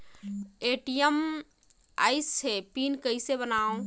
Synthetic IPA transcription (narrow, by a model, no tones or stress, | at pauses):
eʈijem | a̰ːjsepinkəisebənaõ